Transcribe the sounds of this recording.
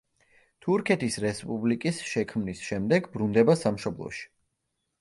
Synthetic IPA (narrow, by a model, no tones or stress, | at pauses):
t̪ʰuɾkʰɛt̪ʰisɾɛspʼublikʼisʃɛkʰmnisʃɛmd̪ɛɡbɾund̪ɛbasamʃɔblˠɔ̰ʃi̥